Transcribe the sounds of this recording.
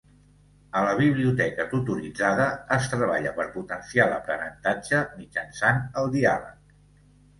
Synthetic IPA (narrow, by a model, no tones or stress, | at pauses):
ələβ̞iβ̞liut̪ɛkət̪ut̪uɾid͡zaðəːst̪ɾəβaʎəpəɾput̪ənsialə̰pɾənənt̪ad͡ʒəmid͡ʒənsanəlˠd̪ia̰lə̰k̚